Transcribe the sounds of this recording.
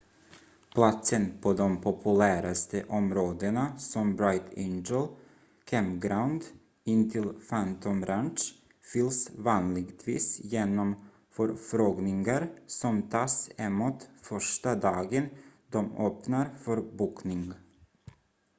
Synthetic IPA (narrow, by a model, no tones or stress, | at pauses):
pʰlat̪sənpʰɔd̪ɔmpʰɔpʰɵlæːɾast̪ʰəʔɔmɾoːd̪ənasɔmbɾaɪt̪ʰɛ̰nd͡ʒəl | kʰɛmɡɾaʊnd̪ | ɪnt̪ʰɪlfant̪ʰɔmɾanʂ | fʏlsvɑːnlɪɡt̪ʰvḭːsjeːnɔm | fœɾfɾoːɡnɪŋaɾsɔmt̪ʰɑːsɛmuːt̪fœʂʈad̪ɑːɡənd̪ɔmøːpnaɾfœɾbuːknɪŋ